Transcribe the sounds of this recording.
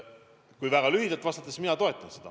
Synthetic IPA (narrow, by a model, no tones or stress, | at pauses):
kujvæɡ̥ɑlyɦid̪ɑlt̪vɑst̪ɑt̪ːˑesminɑt̪o̞e̞t̪ːˑɑnse̞d̥̪ɑ̰